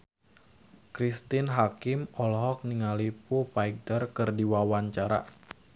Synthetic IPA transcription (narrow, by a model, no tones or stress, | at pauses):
kɾist̪ɪnɦakɪmɔlɦɔk̚niŋalipupaik̚dərkɨrdiwawaɲt͡ʃaɾa̰